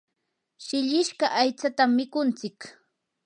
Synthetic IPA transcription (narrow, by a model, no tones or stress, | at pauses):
ʃɪʎɪʃkaʔajt͡sat̪amːɪkʊnt͡sɪk